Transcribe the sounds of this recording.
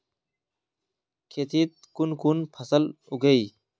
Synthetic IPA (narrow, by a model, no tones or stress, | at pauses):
kʰeːt̪ʰit̪̚kunkunpʰɐsəluɡəi